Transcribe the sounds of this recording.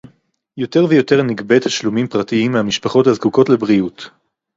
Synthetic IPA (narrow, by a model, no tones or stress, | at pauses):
jo̞te̞ʁvejo̞teʁniɡbe̞thaʃlumimpʁatiimːeamiʃpaχo̞thazkuko̞tlebʁiut